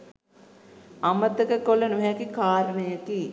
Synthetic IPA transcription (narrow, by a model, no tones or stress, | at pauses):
amət̪əkəkolɐnuɦɛkikaːɾənəjəki